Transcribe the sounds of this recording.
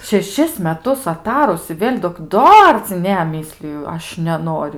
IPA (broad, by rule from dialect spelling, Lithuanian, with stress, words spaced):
ʃʲɛˈʃʲɪs mʲɛˈtʊs ɐˈtɑːrʊs ɪ ˈʋʲeːlʲ doːk ˈdɐr t͡sʲɪ ˈnʲɛ ˈmʲiːsʲlʲɪjʊ ˈɐʃ nʲɛˈnoːrʲʊ